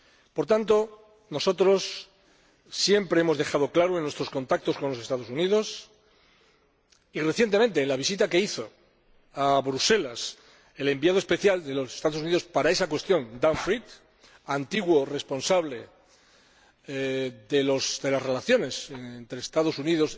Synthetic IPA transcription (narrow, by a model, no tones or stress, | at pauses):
po̞ɾt̪ant̪o̞ | no̞so̞t̪ɾo̞sː | je̞mpɾe̞emo̞zðe̞xað̞o̞klaɾoenwe̞st̪ɾosko̞nt̪ak̚t̪o̞sko̞nlo̞se̞st̪aðo̞suniðo̞s | ire̞θje̞nt̪e̞mẽ̞nt̪e̞ːnlaβ̞isit̪ake̞iθo̞ | aβɾuse̞las | e̞le̞mbjað̞o̞espe̞θjald̪e̞lo̞sest̪aðounið̞o̞spaɾae̞sakwe̞st̪jõ̞nd̪aɱfɾit̪ | ant̪iɣwore̞spo̞nsaβle̞ | ðelosd̪e̞lasre̞laθjo̞ne̞sent̪ɾeːst̪aðo̞suniðo̞s